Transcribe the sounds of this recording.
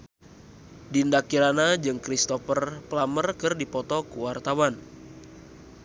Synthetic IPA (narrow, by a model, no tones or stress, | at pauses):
dindakiɾanad͡ʒɨŋkɾist̪ɔfərplamərkɨrdipɔt̪ɔkuwart̪awan